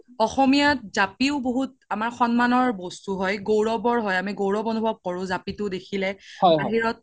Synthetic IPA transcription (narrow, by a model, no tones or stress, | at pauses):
ɔxɔmijat̚zapiʊboɦut̚ | amaɹxɔnmanɔɹbɔstuɦɔjɡowɹɔbɔɹɦɔjamiɡowɹɔbɔnubʱɔb̚kɔɹʊ̃zapitʊdekʰilɛɔjbaɦiɹɔt̚